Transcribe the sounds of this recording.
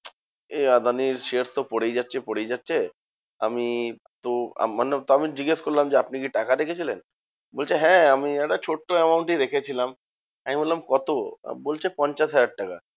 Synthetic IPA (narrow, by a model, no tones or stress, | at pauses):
ead̪ʱaniɾʃeɾst̪opɔɽejd͡ʑatːɕʰepoɽejd͡ʑatːɕʰe | a̰mi | t̪oa̰manet̪oamid͡ʑiɡeʃkoɾlamd͡ʑeapnik̬iʈakad̪ekʰet͡ɕʰilḛn | bolt͡ɕʰeɦɛ̃amiɛʈat͡ɕʰoʈːoɛmawɳʈiɾekʰet͡ɕʰilam | amibollamkɔt̪o̰bolt͡ɕʰepɔɲt͡ɕaʃɦajaɖ̚ʈaka